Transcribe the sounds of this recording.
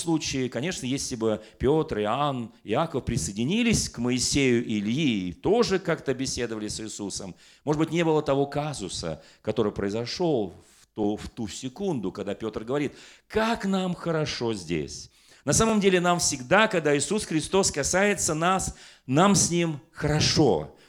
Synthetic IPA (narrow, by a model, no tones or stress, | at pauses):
slˠut͡ɕɪɪkɐnʲe̞ʂnəjesʲlʲɪbɨpʲo̞t̪rɪanɪakəfpɾʲɪsəjɪdʲɪnʲilʲɪsʲkməɪsʲejʊʔɪlʲjit̪o̞ʐɨkakt̪əbʲɪsʲe̞d̪əvəlʲɪsɨsusəm | moʐɨdbɨtʲnʲe̞bɨlˠət̪ɐvo̞kazʊsə̰ | kɐt̪o̞ɾɨjpɾəɪzɐʂo̞lˠft̪uft̪usʲɪkund̪ʊkɐɡd̪apʲo̞t̪rɡəvɐɾʲit̪kaknamxəɾɐʂo̞zʲdʲḛsʲ | nɐsaməmdʲelʲɪnamfsʲɪɡd̪akɐɡ̚d̪aɪsusxɾʲɪst̪o̞skɐsajɪt̪sənas | namsʲnʲimxəɾɐʂo̞̰